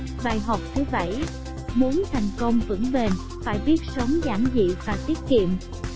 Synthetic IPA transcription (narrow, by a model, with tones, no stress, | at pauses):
ɓaː˨˩jɦa˨˩wk͡p̚t̪ʰɨ˨˦ɓə˧˩j | mu˨˦ənt̪ʰa˨˩jŋ̟kə˧wŋ͡mvɨ̰˧˥ŋɓe˨˩n | faː˧˩jɓi˦˥ət̚sə˨˦wŋ͡mza̰ː˧˩ŋzḭ˧˨vaː˨˩t̪i˦˥ət̚kḭ˧˨əm